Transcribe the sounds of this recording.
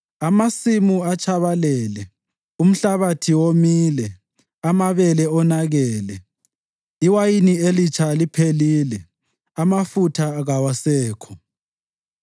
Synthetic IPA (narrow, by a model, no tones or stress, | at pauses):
amasimuat͡ʃʼʰaβalɛːlɛ | um̩ɬaβatʰiwomiːlɛ | amaβɛlɛɔnaɣɛːlɛ | iwajinielit͡ʃʰalipʰeliːlɛ | amafutʰaɣawasɛːkʰɔ